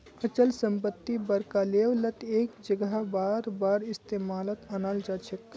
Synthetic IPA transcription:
ət͡ʃəlsə̃mp̬ət̪ːibɐɾkaːleːʋlət̪eːkd͡ʒəɡɦabaːɾbaːɾɪst̪eːmaːlət̪ɐnaːld͡ʒaːt͡ʃʰek

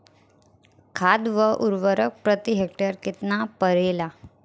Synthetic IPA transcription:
kʰad̪ʋəʔuɾʋəɾək̚pɾət̪iɦek̚ʈəɾkit̪napəɾela

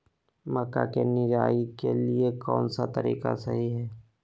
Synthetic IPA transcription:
məkakenɪɾaːikeliekɔːnsat̪əɾḭːka̰sɐɦiɦɛː

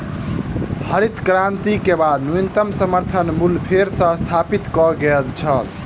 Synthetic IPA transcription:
həɾit̪kɾant̪ikebad̪nunt̪əmsəməɾt̪ʰənmulpʰeɾsə̃st̪ʰapit̪kɔɡəlt͡ʃʰəl

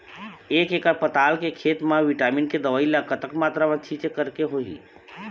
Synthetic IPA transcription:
ekekəɾpət̪alkekʰet̪mãʋiʈaminked̪əʋaːilakət̪əkmaːt̪ɾamãt͡ʃʰit͡ʃekəɾkeɦoḭ

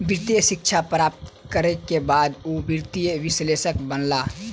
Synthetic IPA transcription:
biɾt̪ijəʃɪkt͡ʃʰapɾaːp̚t̪kəɾekebaːd̪obiɾt̪ijəʋɪsleːsəkbənlaː

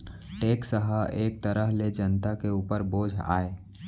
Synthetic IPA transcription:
ʈeːksəɦaeːk̚t̪əɾəɦled͡ʒənt̪akeuːpəɾboːd͡ʒʱa̰ːeː

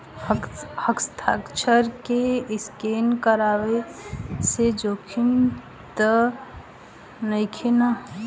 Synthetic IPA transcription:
həkst̪ʰaːkt͡ʃʰəɾkeɪskenkəɾaːwesed͡ʒoːkʰin | t̪ə | nəɪkʰena

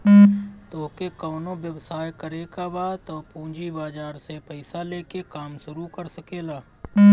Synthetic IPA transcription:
t̪oːkekoːnõʋjəʋsaːjkəɾekabaːt̪opũːd͡ʒibaːd͡ʒaːɾsepəɪsaleːkekaːmʃʊɾukəɾsəkeːlaː

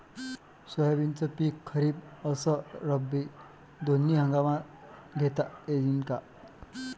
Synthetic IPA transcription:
sʌjabint͡sʌpikʰːʌɾib̚ʌsʌɾʌbːi | d̪onːiɦʌŋɡama | ɡʱet̪aed̪inka

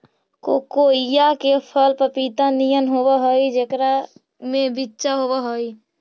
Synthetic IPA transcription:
kokojakepʰəlpəpit̪anijənɦobəɦoid͡ʒekɾa | mẽbitːt͡ʃaɦobəɦoi

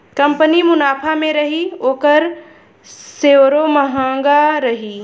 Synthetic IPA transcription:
kəmpənimʊnaːpʰamẽɾəɦioːkəɾ | seɾoməɦãːɡaɾəɦi

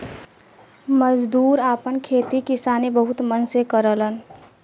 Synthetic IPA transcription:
məd͡ʒd̪uːɾaːpənkʰeːt̪ikɪsaːnebəɦʊt̪mənsekəɾələn

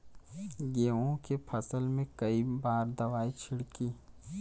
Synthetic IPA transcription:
ɡeːõkepʰɐsəlmẽkɐibaːɾd̪ɐʋaːit͡ʃʰɪɽkiː

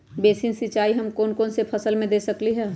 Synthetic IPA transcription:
beːsinsɪt͡ʃaːiɦɐmkoːnkoːnsepʰɐsəlmẽd̪eːsəkliɦɛː

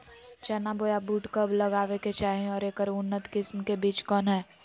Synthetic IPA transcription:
t͡ʃɛːnaboːjabuːʈkəblɐɡaːʋeket͡ʃaːɦẽɔːɾeːkəɾʊnːət̪kɪsmkebiːt͡ʃkɔːnɦɛː

